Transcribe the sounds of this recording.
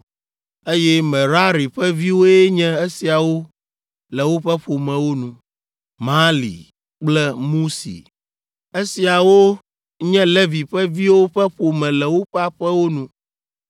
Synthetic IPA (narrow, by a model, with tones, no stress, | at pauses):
e˦jɛ˦mɛ̃˨ɾa˦ɾi˨ɸɛ˦vi˦wo˦ɛ˦ɲɛ̃˦e˦si˨a˨wo˦ | lɛ˨wo˦ɸɛ˦ɸo˨mɛ̃˨wo˦nũ˨ | mã˦lḭ˨ | k͡plɛ˦mũ˦sḭ˨ | e˦si˨a˨wo˦ | ɲɛ̃˦le˦vi˨ɸɛ˦vi˦wo˦ɸɛ˦ɸo˨mɛ̃˨lɛ˨wo˦ɸɛ˦a˦ɸɛ˦wo˦nũ˦